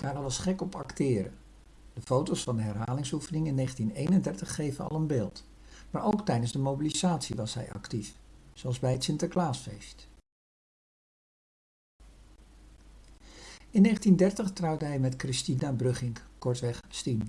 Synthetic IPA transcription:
aːrɑlˠɑsχɛkɔpɑktɪːɾə̰ | d̥əfowtowsfɑndəɦɛɹɦaːlɪŋsufənɪŋɪnːejχəntinejnəndɛɹtəχːejvənɑ̰lˠənbeːlˠt | maːɹʔowktɛjdənzdəmowbilizaːtsiʋɑsɦɛ̰jɑ̰ktifsoɑlˠzbɛjɦətsɪntəklaːsfḛjst | ɪnːejχəntindɛɹtəχtrɑwdəɦɛjmɛtkrɪstinabrɵχɪŋkkɔɹtʋɛχstin

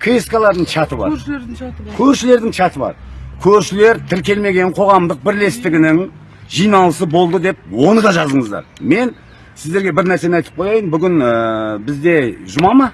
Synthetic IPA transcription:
kʰeskalˠɑɾd̪əɴt͡ʃʰɑt̪əbɑ̰ | kʲʰɵɾʃɪle̞ɾd̪ɪŋʃʰɑt̪əbɑ̰ɾkʲʰɵɾʃɪle̞ɾt̪ʰɪɾkʲe̞lme̞ɡʲe̞ɴqʰo̞ʁɑmd̪əq̚bɪɾle̞st̪ɪɡʲɪnɪŋ | ʒijnɑlˠəsəbo̞lˠd̪əd̪e̞p̚wo̞nəd̪ɑʒɑzəɴəzd̪ɑ̰ɾme̞n | sɪzd̪e̞ɾɡʲe̞bɪɾnæɾse̞nɑjt̪əp̚qʰo̞jɑjənbʏɡʲɪnəbɪzd̪e̞ʒʊmɑmɑ

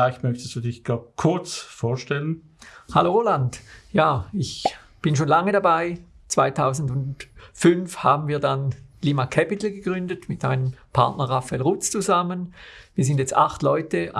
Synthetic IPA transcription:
aɪçmœçtəsd̥uːdɪçɡ̥aːkʰʊɐt͡sfoːɐʃtɛlən | haloolandjaːɪç | b̥ɪnʃoːnlaŋədabaɪ | t͡sv̥aɪtʰaʊzn̩dʊntfʏnfhaːbn̩viːɐdanliːmakʰɛpɪtl̩ɡəɡʁʏndətmɪtmaɪnəmpʰaɐtnɐʁafɛlʁʊt͡st͡suzamənviːɐzɪndjɛt͡staχtlɔʏtə

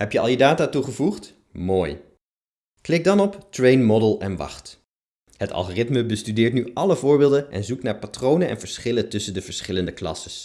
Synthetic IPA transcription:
ɦɛpjəɑ̰lˠjədaːtaːtuχəvuχt | moːj | klɪɡ̚dɑnɔptrejnmɔdəlˠɛnʋɑ̰χt | ɦətɑ̰lˠχoːrɪtməbəstydɪːɹtnyʔɑləvʊːɹbɪːlˠdənʔɛ̰nzuk̚tnaːɹpatrownənɛ̰nvəɹsχɪləntɵsəndəvəɹsχɪləndəklɑ̰səs

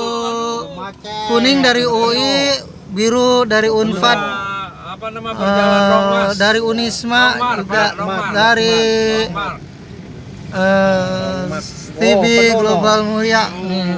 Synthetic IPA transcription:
punɪŋdaɾioi | biɾudaɾiunfat̪̚ | ə | daɾiunismad͡ʒuɡaʔbadaɾi | ə | t̪ibiɡlobalmuliaʔni

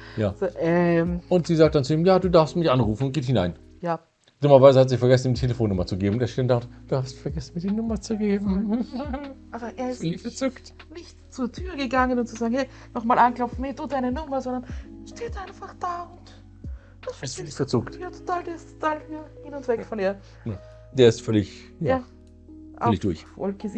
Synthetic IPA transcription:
jaːz̥oːʔɛmʊntz̥iːzaːk̚t̚d̥ant͡suiːmjaːduːdaɐfstmɪçʔanʁuːfn̩ʊnt̚ɡ̥eːthɪna̰ɪn | jaː | d̥ʊmɐvaɪzəhatz̥ɪçfɛɐɡɛsn̩iːmtʰeləfoːnːʊmɐt͡suɡeːbmʊnteːʃendatd̥uːhafstfɛɐɡɛsn̩miːɐdiːnʊmɐt͡suɡeːbm̩ | ʔabɐʔeːɐɪstːfɛɐt͡sʏkt | nɪçtt͡suːɐtʰyːʁɡəɡaŋənʊnt̚t͡suzaːɡŋ̩hɛɪ | nɔχmaːlʔanklɔpfn̩hɛduːdaɪnənʊmɐzɔndɐnʃteːtʔaɪnfaχd̥aːʊnt | v̥asfsfɛɐt͡sʊktjaːtʰo̥taːldɛstʰo̥tʰaːlhyːɐɡɪnʊnsvɛkfɔniːɐ | na | d̥eːɐɪstfœlɪç | jjaː | ʔa̰œlɪçd̥ʊɐçfo̰lkʰəz

